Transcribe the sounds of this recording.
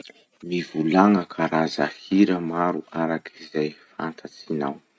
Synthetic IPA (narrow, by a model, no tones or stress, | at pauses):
mivulaŋəkʰaɾazahiɾəmaɾuaɾakʰizajfa̰nt̪ʰat͡sinaw